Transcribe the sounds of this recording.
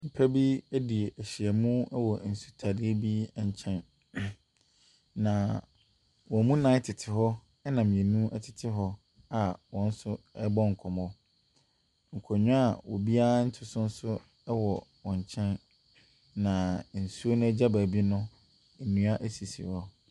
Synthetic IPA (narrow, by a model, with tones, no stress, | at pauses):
m̩˨pʰæ˦bi˦æ˦di˨e˨ʔæ˨ɕi˨ɛ˨mũ˦ɛ˦wɔ˨n̩˨su̥˦tʰa˨dɪ˦e˦bi˦˨ɲ̩˨t͡ɕʰɛ̃˦n | nã˨ | wɔ̃˨mũ˦nã˨˦ɪ˦tʰɪ˨tʰɪ˨ɦɔ˦ | ɛ˦nã˨m̃˨ẽ˨nũ˦ʔɛ˨tʰɪ̥˨tʰɪ˦ɦɔ˦ | a˨wɔ̃˨n̩˦sʊ˦ɛ˦bɔ̃˦ŋ̩˨kʰɔ˨mɔ̃˦ | ŋ̩˨kʰɔ˨ɲʊ̃˦a˨wɔ̰˨bi˦a˦n̩˦tʰɪ˦sʊ̃˦n̩˦sʊ˦ | wɔ˨wɔ̃˨ɲ˨t͡ɕʰɛ̃˦nː | ã˨n̩˨su˦o˦nʊ̃˦æ˦d͡ʑa˦ba˨bi˦nʊ̃˦ | æ˨nũ˨a˦ʔæ˦si˨si˨hɔ˦